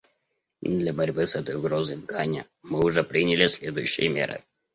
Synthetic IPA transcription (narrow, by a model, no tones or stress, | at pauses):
d̪lʲɐbɐɾʲbɨsɛt̪əjʊɡɾozəjd̪ɡanʲə̰ | mɨʊʐɛpɾʲinʲɪlʲɪsʲlʲed̪ʊjʉɕːɪ̰jəmʲḛɾɨ̰